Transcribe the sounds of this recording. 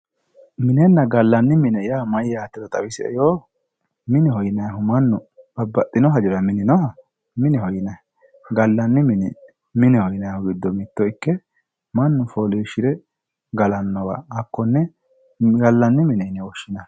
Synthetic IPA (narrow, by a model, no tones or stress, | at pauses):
mɪnɛnːɐɡɐlːɐnːɪmɪnɛjaːmɐjaːt̪ːɪd̪ɐt̪ʼɐwɪsɪɛ̰joː | mɪnɛhɔjɪnɐjɦʊmɐnːʊbɐbːɐt̪ʼːɪnɔɦɐd͡ʒɪɾɐmɪnɪnɔɦɐ | mɪnɛhɔjɪnɐ | ɡɐlːɐnːɪmɪnɛ | mɪnɛhɔjɪnɐjhʊɡɪd̪ːɔmɪt̪ːɔɪkːɛ | mɐnːʊfoleːʃɪd̪ɛ | ɡɐlɐnːɔwɐ̰ːkːɔnːɛ | ɡɐlːɐnːɪmɪnɛnːɛwɔʃːɪnɐ